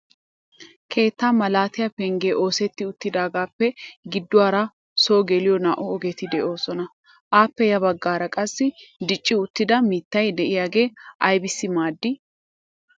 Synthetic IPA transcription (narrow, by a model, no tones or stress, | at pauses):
kʰe̞ːt̪ːaːmɐlaːt̪ɪjɐpɛŋɡeːʔo̞ːsɛt̪ːɪʊt̪ːɪd̪aːɡaːpːɛɡɪd̪ːʊwaːɾɐ | so̞ːɡɛlɪjɔna̰ːʔʊɔɡɛt̪ɪd̪ɛʔo̞ːsɔnɐ | ʔaːpːɛjɐbɐɡːaːɾɐkʼɐsːɪd̪ɪt͡ʃʼːɪʊt̪ːɪd̪ɐmiːt̪ːɐjd̪ɛʔɪjaːɡe̞ːʔɐjbɪsːɪmaːd̪ːɪ